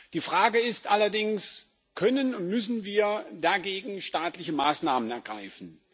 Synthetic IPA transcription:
d̥iːfʁ̥aːɡəɪstʔalɐdɪŋs | kʰœnənʊntmʏsn̩viːɐdaɡeːɡŋ̩ʃtaːtlɪçəmaːsnaːmənɛɐɡʁaɪfn̩

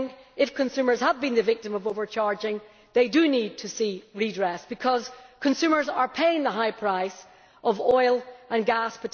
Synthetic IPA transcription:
ŋkɪfkʰə̃nsʉmə˞z̥əvbĩnðəvɪk̚tə̃məvovə˞t͡ʃʰaɹd͡ʒɪ̃ŋ | ðeɪdənid̚tʰəsiɹidɹɛsb̥ɨkʰʌz̥kʰə̃nsʉmə˞zə˞pʰeɪɪ̃ŋðəɦaɪpʰɹ̥aɪs | ʔəvɔɪlˠə̃nɡaspʰətʰ

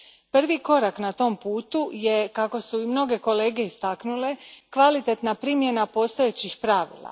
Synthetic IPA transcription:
pr̩ʋiko̞ɾaknat̪o̞mpuːt̪uje̞kako̞suimno̞ɡe̞ko̞leːɡe̞ist̪aknule̞kʋalit̪et̪napɾimje̞napo̞st̪o̞et͡ɕixpɾaːʋḭlˠa̰

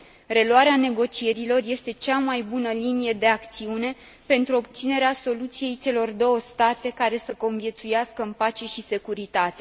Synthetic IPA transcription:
re̞luaɾeane̞ɡo̞t͡ʃie̞ɾilo̞rje̞st̪e̞t͡ʃamajbunəlinije̞d̪e̞akt̪siune̞ | pe̞nt̪ɾuo̞b̚t̪sine̞ɾeaso̞lut̪sije̞jt͡ʃe̞lo̞rd̪o̞wəst̪at̪e̞kaɾe̞səko̞nvje̞t̪sujaskəɨnpat͡ʃe̞ʃise̞kuɾit̪at̪e̞

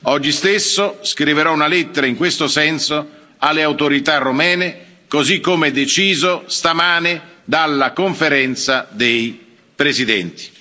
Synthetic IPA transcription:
ɔd͡ʒːist̪esːoskɾiveɾɔunalɛt̪ːeɾaiŋkwest̪osɛnso | alːeawt̪oɾit̪arːomɛːnɪ | kozikːomɛd̪et͡ʃiːzost̪amaːnɪd̪alːakoɱfeɾɛnt̪sad̪ej | pɾezid̪ɛ̰nt̪i̥

